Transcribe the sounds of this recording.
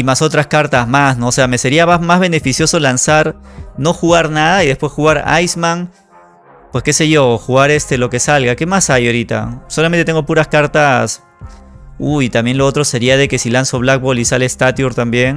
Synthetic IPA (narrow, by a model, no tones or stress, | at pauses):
imaso̞t̪ɾaskaɾt̪azmasno̞ːse̞ame̞se̞ɾiaamazβe̞ne̞fisjo̞so̞lansaɾno̞xuɣaɾnaðaiðespwe̞sxuɣaɾa̰jsman | pwe̞ske̞se̞ʝo̞xuɣaɾe̞st̪e̞lo̞ke̞salɣake̞masajoɾit̪a̰so̞lament̪et̪e̞ŋɡo̞puɾaskaɾt̪as | uit̪ambje̞nlo̞o̞t̪ɾo̞se̞ɾiaðe̞ke̞silanso̞βlak̚bo̞lisalest̪at̪joɾt̪ambje̞n